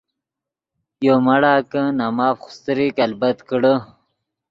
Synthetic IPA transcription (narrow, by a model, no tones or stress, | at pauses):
jomaɽaːkənamaːfxʊ̥st̪əɾikalbɐt̪kəɽə